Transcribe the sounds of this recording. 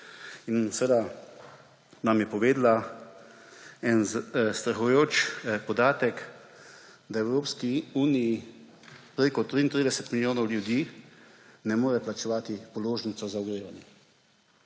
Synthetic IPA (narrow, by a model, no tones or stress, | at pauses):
insʋed̪a | namjɛpɔʋeːd̪la | ɛnst̪ɾaxujoːt͡ʃpɔd̪aːt̪ɛk | d̪aɛwɾoːpskiuːnii | pɾeːkɔt̪ɾiːnt̪ɾiːd̪ɛsɛt̪miljoːnɔwljud̪iː | nɛmoːɾɛplat͡ʃɛʋaːt̪ipɔloːʒnit̪sɔzaɔɡɾeːʋanjɛ